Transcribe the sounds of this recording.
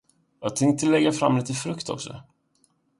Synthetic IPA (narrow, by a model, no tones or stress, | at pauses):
jɑːɡt̪ʰɛŋt̪əlɛɡːafɾa̰mːliːt̪əfɾɵkt̪ʰɔ̰ksɔ̰